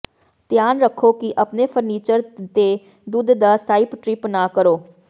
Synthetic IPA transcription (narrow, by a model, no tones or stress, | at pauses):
t̪jaːnɾəkʰːoːkɪʔəpneːpʰəɾniːt͡ʃəɾt̪eː | d̪ʊd̪d̪aːsaːɪpʈɾɪpnaːkəɾoː